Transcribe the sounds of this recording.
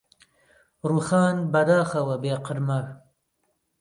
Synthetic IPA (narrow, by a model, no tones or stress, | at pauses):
ɾuxɑːnbɐd̪aːxɐwɐbeːqəɾmɐ